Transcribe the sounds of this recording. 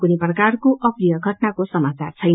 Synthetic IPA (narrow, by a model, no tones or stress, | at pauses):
kuniprʌkarkoʔʌprijʌɡʱʌʈnakosʌmat͡sa̰rt͡sʰʌjn